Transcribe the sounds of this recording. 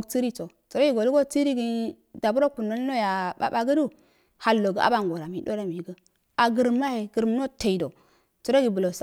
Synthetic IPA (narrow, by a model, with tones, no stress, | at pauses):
ɡt͡si˦ɾi˦t͡so˨ | t͡su˨ɾo˦ɡi˦ɡo˨lu˦ɡo˦t͡si˦ɾi˦ɡi˦ | da˨bu˦ɾo˦ku˨nːo˦n˦lo˦ja˨ɓa̰˦ba˦ɡə˦du˦ | ha˨lːo˨ɡə˨a̰˦ba˦ŋ˨ɡo˨ɾa˨mi˨do˦ɾa˦mi˨ɡə˦ | a˨ɡə˨ɾma˦he˨ɡə˨ɾm˦no˦te˨i˨do˨ | t͡su˨ɾo˦ɡi˨bu˨lo˨sa˨